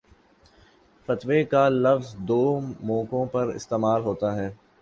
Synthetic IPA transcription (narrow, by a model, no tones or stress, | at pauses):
fɐt̪ʋekalɐfzd̪oːmɔ̃ːkõpɐɾɪ̰st̪eːmaːlɦoːt̪aɦɛː